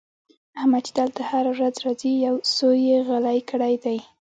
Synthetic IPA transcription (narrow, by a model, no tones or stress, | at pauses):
ahmat͡ʃid̪əlt̪ahaɾawɾazɾɑzijawsojeɣalajkəɽajd̪aj